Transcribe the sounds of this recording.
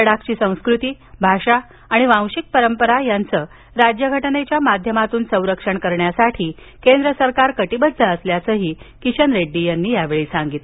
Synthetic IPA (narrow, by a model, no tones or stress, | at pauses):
ɽakt͡ɕiːsə̃w̃skɾut̪iː | bʱaʂa | aɽ̃iʋãw̃ɕik̚pəɾəmpəɾajant͡səː | ɾad͡ʑjəɡʱəʈnet͡ɕjamad̪ʱjəmat̪uːnsə̃w̃ɾəkʂəɳkəɾɳjasaʈʰiː | kend̪ɾəsəɾkaɾkəʈibəd̪ʱdʱəəsljat͡səːɦiːkit͡ɕənɾeɖːijanːiːjaʋeɭiːsaŋɡit̪